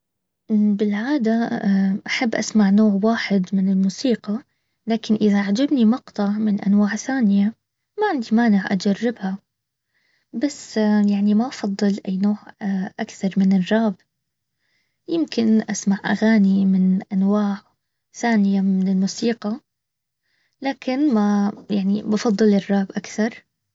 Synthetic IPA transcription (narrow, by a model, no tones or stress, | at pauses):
ʔbɪlʕaːd̪aʔaħabːʔasmaʕnoːʕwaːħɪd̪mɪnɪlmuːsiːqɑ | laːkɪnʔɪðaʕad͡ʒabnimɑqt̪ˤɑʕmɪnʔa̰nwaːʕθaːnɪja | maʕɪnd̪imaːnɪʕʔa̰d͡ʒarˤːɪbha | basːjaʕnimaʔɑfɑd̪ˤːɨlʔajːnoːʕʔakθɑɾˤmɪnɪrˤːɑːb | jɪmkɪnʔasmaʕʔa̰ɣaːnimɪnʔanwaːʕ | θaːnɪjamɪnɪlmuːsiːqɑ | laːkɪnmajaʕnibɑfɑd̪ˤːɨlɪrˤːɑːbʔakθɑɾˤ